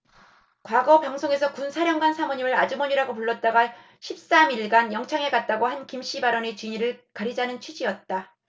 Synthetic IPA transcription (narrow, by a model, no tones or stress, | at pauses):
kwaɡʌpaŋsʰoŋe̞sʰʌkunsʰaɾjʌŋɡansʰamoɲimɯɾad͡ʑumʌɲiɾaɡopuɭːʌt̚t͈aɡa | ɕʰip̚s͈amiɭɡanjʌŋt͡ɕʰaŋe̞kat̚t͈aɡohankimɕ͈ibaɾʌnet͡ɕiɲiɾɯɭkaɾid͡ʑanɯnt͡ɕʰɥid͡ʑiʌt̚t͈a